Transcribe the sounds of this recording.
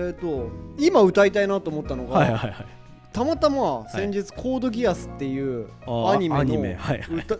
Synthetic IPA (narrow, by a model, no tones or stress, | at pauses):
et̪ːo̞imaɯ̟t̪ait̪ainat̪oːmo̞t̪ːano̞ɡaaa | t̪amat̪amasẽ̞ɲ̟d͡ʑit͡sɨ̥kʰo̞ːd̪o̞ɡʲiasɨ̥t̪ːe̞jɯ̟ː | aɲ̟imemɲioḛaɯt̪a